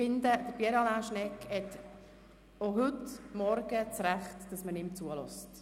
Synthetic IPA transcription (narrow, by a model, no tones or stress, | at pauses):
ɪnd̪əd̥əɾbiəɾɑlaːʃnɛkhɛt | oɦʉtmɔɾɡ̥ət͡sɾæχtd̥ɑsmənɪmt͡suəlɔ̰st